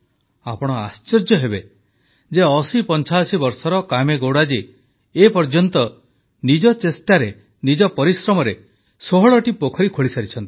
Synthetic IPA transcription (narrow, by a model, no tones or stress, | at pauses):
apɔɽ̃ɔa̰st͡ʃɔɾd͡ʒjɔɦebe | d͡ʒeɔsipɔnt͡ʃasibɔɾsɔɾɔkameɡowɽad͡ʒiː | pɔɾd͡ʒɔnt̪ɔ | nid͡ʒɔt͡ʃesʈaɾe | nid͡ʒɔpɔɾisɾɔmɔɾe | soɦɔɭɔʈipokʰɔɾikʰoɭisaɾit͡ʃʰɔnt̪i̥